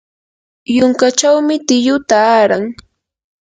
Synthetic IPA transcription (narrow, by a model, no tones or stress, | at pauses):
jʊŋkat͡ʃawmɪt̪ɪjʊt̪aːɾaŋ